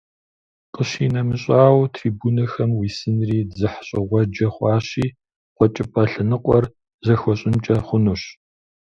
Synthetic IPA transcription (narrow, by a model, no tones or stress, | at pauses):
qəɕiːnɐmɨɕʼaːwtʰriːbuːnɐxɐmwiːsɨnriːzɨħɕʼɪʁʷɔd͡ʒɐχʷɑːɕiː | qʷɔt͡ʃʼɪpʼɐɬɨnɨqʷʼɔr | zɐxʷɔɕʼɪnt͡ʃʼɐχʷʊnuɕ